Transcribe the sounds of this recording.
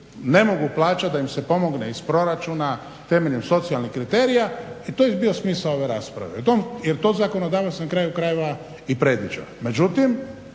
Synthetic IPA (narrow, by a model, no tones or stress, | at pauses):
ne̞mo̞ɡuplˠaːt͡ʃat̪̚d̪aimsepo̞mo̞ɡneispɾo̞ɾat͡ʃuːna | t̪e̞me̞ʎimso̞t̪sialnixkɾit̪eːɾijait̪ojebiosmiːsao̞ʋeɾaːspɾa̰ʋeut̪omjeɾt̪oːzakonod̪aːʋasankɾaːjukɾajeʋa | ipɾed̪ʋid͡ʒo̰me̞d͡ʒut̪im